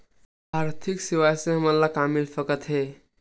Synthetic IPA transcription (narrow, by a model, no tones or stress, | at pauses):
bʱaɾt̪ʰiksiʋajseɦəməlːakamilfəkət̪ɦe